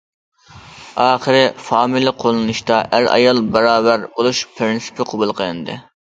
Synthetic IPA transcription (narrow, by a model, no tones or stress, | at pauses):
ɑːχəɾɪfɑːmilˠɪqʰolˠɨnuʃt̪ɑæɾɑ̰jɑlˠbɑɾɑːbæɾbolˠuʃpʰɾinsɪ̥pʰɪqʰobulˠqʰəɨnɨd̪ɨ̰